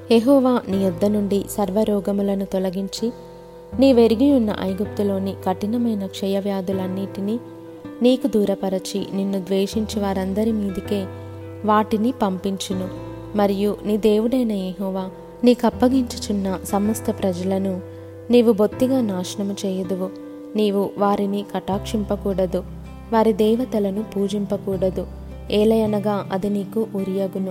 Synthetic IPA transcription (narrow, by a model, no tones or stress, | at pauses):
jeɦɔːʋaːnijud̪ːɐnuɳɖisɐɾʋɐɾɔːɡɐmulɐnut̪ɔlɐɡiɲt͡ʃi | niːʋe̞ɾiɡijunːɐ̰ʔɐjɡup̚t̪ulo̞ːnikɐʈinɐmɐjnɐkʂɛjɐʋjaːd̪ulɐnːiːʈini | niːkud̪uːɾɐpɐɾɐt͡ʃḭninːud̪ʋeːʂiɲt͡ʃiʋaːɾɐnd̪ɐɾimiːd̪ike̞ː | ʋaːʈinipɐmpiɲt͡ʃinu | mɐɾijuniːd̪e̞ːʋuɽɐjnɐjeɦɔːʋaː | niːkɐpːɐɡiɲt͡ʃit͡ʃunːɐsɐmɐst̪ɐpɾɐd͡ʒɐlɐnu | niːʋubo̞t̪ːiɡaːnaːʃɐɳɐmut͡ʃɛːjɐd̪uʋu | niːʋuʋaːɾinikɐʈaːkʂimpɐkuːɽɐd̪u | ʋaːɾid̪ɛːʋɐt̪ɐlɐnupuːd͡ʒimpɐkuːɽɐd̪u | ɛːlɐjɐnɐɡaːʔɐd̪iniːkuʔuɾijɐɡunu